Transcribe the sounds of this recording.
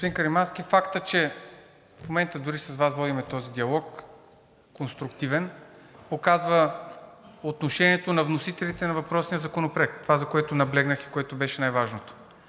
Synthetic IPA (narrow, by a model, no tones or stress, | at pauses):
ɡospod̪inkɐɾimanskifakt̪ət͡ʃɛ | fmomɛnt̪əd̪ʊɾisɐzvasvɔd̪imɛt̪ɔzid̪iɐlˠɔkː | onst̪ɾʊkt̪ivɛn | pokazvə | ot̪noʃɛniɛt̪onɐvnosit̪ɛlit̪ɛnɐvɐpɾɔsnijəzɐkonopɾɛkt̪ovazɐkoɛt̪onɐblɛɡnəxi̥koɛt̪obɛʃɛnajvaʒnot̪o̥